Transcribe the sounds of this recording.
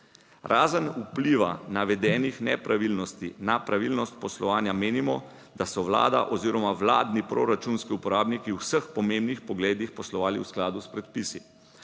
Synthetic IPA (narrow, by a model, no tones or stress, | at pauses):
ɾʔaːzənupliʋa̰naʋɛd̪ɛːnixnɛpɾaʋilnɔst̪inapɾaʋilnɔst̪̚pɔslɔʋaːnjameːnimɔ | d̪asɔʋla̰ːd̪a̰ʔɔziɾɔmaʋla̰ːd̪nipɾoɾat͡ʃunskiupɔɾaːbnikiwsəxpɔmẽmbnixpɔɡleːd̪ixpɔslɔʋaːlḭwsklaːd̪uspɾɛt̪pisi